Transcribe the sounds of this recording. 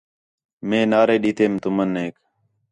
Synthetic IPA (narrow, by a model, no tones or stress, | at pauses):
mẽːnaːɾeːɗiːt̪ʰeːmt̪ʊməneːk